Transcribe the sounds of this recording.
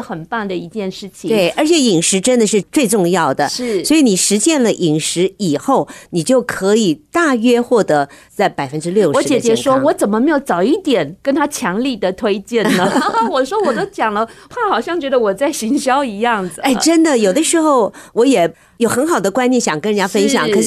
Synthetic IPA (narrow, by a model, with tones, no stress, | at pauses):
xə˨˩npa˥˩nd̪ə˨i˧˥t͡ɕjɛ˥˧nʂɻ̩˥˩t͡ɕʰi˨t̪we˥˩ɪə˞˧˥t͡ɕʰjɛ˧˩i˨˩ŋʂɻ̩˧˥ʈ͡ʂə˥nd̪ə˨ʂ̬ɻ̩˥˧t͡swe˥˧ɪʈ͡ʂʊ˥˧ŋjɑ˥˩ʊd̪ə̰˩ɻ̩˥˩swɔ˧˥i˧˥ni˨˩ʂɻ̩˧˥ɕjɛ˥˩nlə˨ʔi˨˩ŋʂɻ̩˧˥i˨˩xo˥˩ʊni˨˩t͡ɕjo˥˩ʊkʰɤ˧˥i˨˩t̪a˥˩ɥɛ˥xwɔ˥˩t̪ɤ˧˥t͡sa˥˩ɪpa˨˩ɪfə˥nʈ͡ʂɻ̩˥ljo˥˩ʊʂwɔ˧˥˧t͡ɕjɛ˨ə˩t͡ɕjɛ˧˥ŋʂwɔ˥wɔ˧˥t͡sə˨˩nmə˦me˧˥ɪjo˧˩ʊt͡sɑ˨˩ʊi˥˩t̪jɛ˨˩˦nkə˥nt̪ʰa˥t͡ɕʰjɑ˧˥ŋli˥˩d̪ə˩t̪ʰwe˥ɪt͡ɕjɛ˥˩nnə˩˥wɔ˨˩ʂwɔ˥wɔ˨˩d̪ə˦˥t͡ɕjɑ˨˩ŋlə˦pʰa˥˩xɑ˨˩ʊɕjɑ˥˩ŋt͡ɕɥɛ˧˥d̪ə˧wɔ˨˩t͡sa˥˩ɪɕi˧˥ŋɕjɑ˥ʊi˧˥jɑ˥˩ŋd͡z̩˨˩a˥˩ʈ͡ʂə˥nd̪ə˨jo˨˩ʊd̪ə˦ʂɻ̩˧˥xo˥˩ʊwɔ˧˥jɛ˨˩ | jo˨˩ʊxə˧˥nxɑ˨˩ʊd̪ə˦kwa˥njɛ˥˧nɕjɑ˨˩ŋkə˥nɻnt͡ɕja˥fə˥nɕ̬jɑ̰˨˩˦ŋkʰʂ